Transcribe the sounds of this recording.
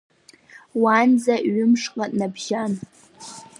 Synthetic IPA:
wand͡zaʔɥʊmʂqʼatʼnabʒan

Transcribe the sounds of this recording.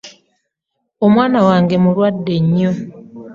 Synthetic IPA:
omwaːnawaːŋɡemuɾwadːeɲːo

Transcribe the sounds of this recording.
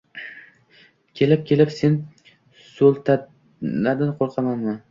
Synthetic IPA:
kʲʰe̞lɪp̚kʲʰe̞lɪpse̞n | solˠt̪ʰa | nad̪ɪnqʰoɾˠqʰɑmanman

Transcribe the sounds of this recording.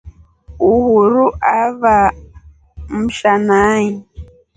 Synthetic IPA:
uhuɾuʔaβa | m̩ʃanaɲi

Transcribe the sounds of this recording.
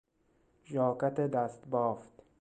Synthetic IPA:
ʒɒːkat̪ed̪æst̪bɒːft̪

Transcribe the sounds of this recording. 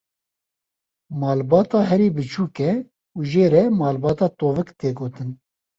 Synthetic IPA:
mɑːlbɑːt̪ɑːɦɛɾiːbɨt͡ʃʰuːkɛ | uʒeːɾɛmɑːlbɑːt̪ɑːt̪oːvɨkt̪eːɡoːt̪ɨn

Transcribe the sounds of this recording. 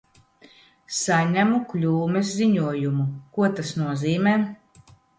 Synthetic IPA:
saɲæmuklʲuːmɛsːiɲuɔjumukuɔt̪asnuɔziːmɛː

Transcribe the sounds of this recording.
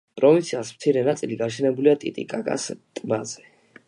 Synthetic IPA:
pʼɾɔvĩnt̪sʰiasmt̪sʰiɾɛnat̪sʼiliɡaɾʃ̬ɛnɛbuliat̪ʼḭt̪ʼḭkʼakʼa̰st̪ʼmazɛ̥

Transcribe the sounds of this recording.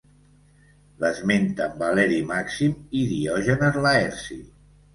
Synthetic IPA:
ləzment̪əmbalɛɾimaksimiðiɔʒənəzlaɛɾsi

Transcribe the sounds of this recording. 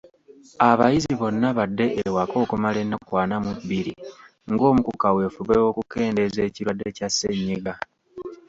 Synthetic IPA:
aβa̰jiziβo̞nːaβadːe̞ʔewako̞ːkumale̞nːakwaːnamubiɾi | ŋɡo̞ːmukukawe̞fuβewo̞kuke̞ːndeze̞ːciɾwadːecasːeɲːiɡa

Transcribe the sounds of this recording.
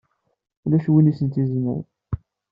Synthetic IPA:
ulæʃwinisənt̪izmə̰w

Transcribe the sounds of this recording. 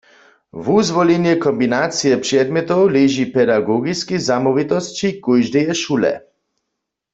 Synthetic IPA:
vuzʋɔlinjɛkɔmbinaːt̪sijɛpr̥ɛd̪mɛt̪owleʒipɛd̪aɡoɡiskizamɔʋit̪ɔst͡ʃikujʒd̪ijɛʃulɛ̰

